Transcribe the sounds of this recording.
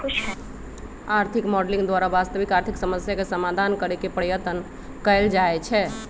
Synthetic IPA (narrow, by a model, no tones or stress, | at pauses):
kut͡ʃʰɦɛ | aɾt̪ʰikmɔɖlĩŋɡd̪waɾabast̪əbikaɾt̪ʰiksəməsjakesəmad̪ʱankəɾekepɾəjət̪ən | kəɪld͡ʒaɛt͡ʃʰɛ